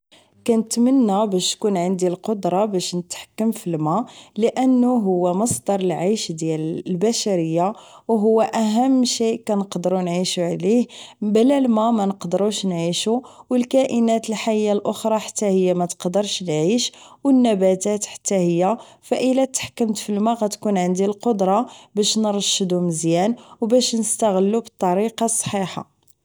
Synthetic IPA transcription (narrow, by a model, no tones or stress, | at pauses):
kænət̪mənːæbæʃt̪kunʕənd̪ilqod̪ɾˤɑbæʃnət̪ħḁkːəmfilmæləʔənːuɦʊwːæmɑsˤd̪ɑɾˤəlʕajʃd̪jællbæʃæɾəjːawɦʊwːæʔæɦəmːʃikænəqd̪əɾunʕiʃuʕlihblælmæmænəqd̪əɾuʃnʕiʃuwəlkæʔənæt̪əlħajːalʔoxɾˤɑħḁt̪ːæhəjːæmæt̪ə̥qd̪əɾˤʃnʕiʃwənːæbæt̪æt̪ħḁt̪ːæhəjːæ | fæʔəlæt̪ːħkːəmt̪fəlmæɣæt̪kunʕənd̪ilqod̪ɾˤɑbæʃnəɾˤʃːəd̪uməzjænwbæʃnəst̪aɣəlːubət̪ˤːɑɾiqɑsˤːħiħɑ̰